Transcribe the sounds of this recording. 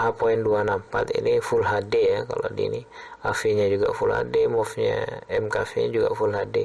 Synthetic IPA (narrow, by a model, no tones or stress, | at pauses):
apoinduanampat̪ḭnifulɦadeaka̰lo̰dḭni | afiɲad͡ʒuɡa̰fulha̰demɔfɲa̰ɛmkafeɲa̰d͡ʒuɡa̰fulɦadḛ